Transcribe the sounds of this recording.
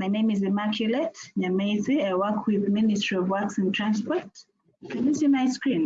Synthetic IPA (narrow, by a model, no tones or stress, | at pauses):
maɪnẽɪ̃mizɛmakʰjulɛtɲameziaɪwɜkʰwɪðmɪnɪstɹ̥iɔvwɜksɪ̃ntʰɹ̥ãnspɔɹt | knisɨmaɪskɹĩn